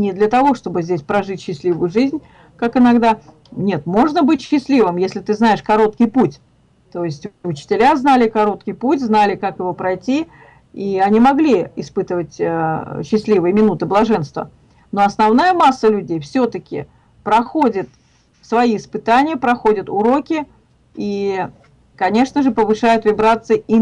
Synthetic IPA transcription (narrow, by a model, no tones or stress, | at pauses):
nʲɪd̪lʲət̪ɐvo̞ʂt̪o̞bɨzʲdʲesʲpɾɐʐɨtʲɕːɪsʲlʲivʊjʊʐɨzʲnʲ | kakɨnɐɡd̪a | nʲe̞t̪mo̞ʐnəbɨtʲɕːɪsʲlʲivɨmjesʲlʲɪt̪ɨznaɪʂkɐɾo̞t̪kʲɪjputʲ | t̪o̞jɪsʲtʲʊt͡ɕɪ̥tʲɪlʲaznalʲɪkɐɾo̞t̪̚kʲɪjputʲznalʲɪkakjɪvo̞pɾɐjtʲi | iɐnʲimɐɡlʲiɪspɨt̪əvətʲəɕːɪsʲlʲivɨjəmʲɪnut̪ɨblˠɐʐɛnst̪və̰ | no̞ɐsnɐvn̪ajəmasːəlʲʉdʲejfsʲɵt̪əkʲɪ̰ | pɾɐxodʲɪt̪ | svɐiːspɨt̪anʲɪjəpɾɐxodʲət̪ʊɾo̞kʲɪ | i | kɐnʲe̞ʂnəʐɨpəvɨʂajʊt̪vʲɪbɾat̪sɨəi